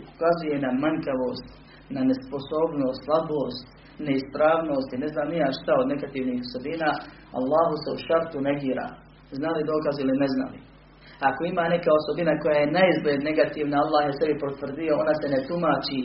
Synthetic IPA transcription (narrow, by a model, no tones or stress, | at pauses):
u̥kazuje̞namaŋkaʋo̞ːst̪ | nane̞spo̞so̞ːbno̞ːst̪slˠabo̞ːst̪ | ne̞ispɾaːʋno̞ːst̪ine̞znaːmnijaʃt̪aod̪ne̞ɡat̪iːʋniːhoso̞biːnaː | a̰lˠːaːɦuse̞uʃaɾt̪uneɡiːɾa̰ː | znalid̪o̞ːkazilinezna̰lḭ | ako̞imaːne̞kao̞so̞binako̞jaːje̞naizbled̪ne̞ɡat̪iːʋnaalˠːaːhjesebipot̪ʋr̩d̪ijo̞o̞nase̞net̪umaːt͡ʃi